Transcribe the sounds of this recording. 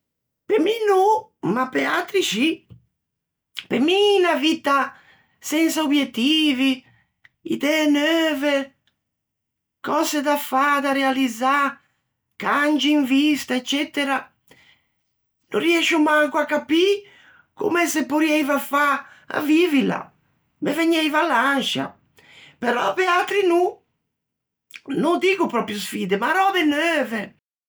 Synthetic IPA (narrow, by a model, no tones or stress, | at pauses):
peminomapealt̪ɾiʃi | peminavit̪a | sɛnsaobjet̪ːiːvi | ḭd̪ɛnøːve | kɔzed̪afad̪aɾealid̪za | kand͡ʒiːɱvist̪aɛt͡ʃːɛt̪eɾa | no̰riɛʃumaŋkwakːapi | kṵmɛsepuɾjɛjvafa | a̰vivila̰ | meveɲɛjvalanʃa̰ | peɾɔ̰pealt̪ɾinu | nud̪iːɡupɾɔpɾjʊsfiːd̪emaɾɔbenøːve